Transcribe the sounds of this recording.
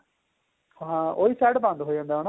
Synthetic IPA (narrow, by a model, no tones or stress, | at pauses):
ɦãːoːiːsɛːɽbãnd̪ɦoːid͡ʒãːnd̪aɦona